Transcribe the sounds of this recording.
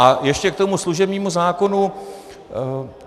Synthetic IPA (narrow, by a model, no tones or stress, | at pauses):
ajɛʃcɛkt̪o̞musluʒɛbɲiːmuzaːko̞nu